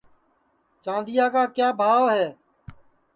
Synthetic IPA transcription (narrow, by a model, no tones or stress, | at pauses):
t͡ʃãːnd̪ɪjaːkaːkjaːbʱaːʋɦɛː